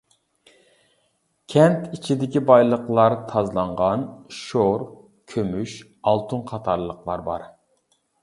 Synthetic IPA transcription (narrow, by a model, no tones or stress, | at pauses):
kʲʰɛnt̪ʰit͡ʃʰid̪ɪkʲibɑjlˠəqlˠɑɾt̪ʰɑzlˠɑɴʁɑnʃoɾ | kʲʰømyʃ | ɑlˠt̪ʰunqʰɑt̪ʰɑɾlˠəqlˠɑɾbɑ̰ɾ